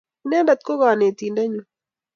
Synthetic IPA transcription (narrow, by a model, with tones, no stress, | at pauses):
nɛ˦ba˨t̪̚ko˦ɣaː˨ne˨t̪iː˨ndɛ˦ɲu˦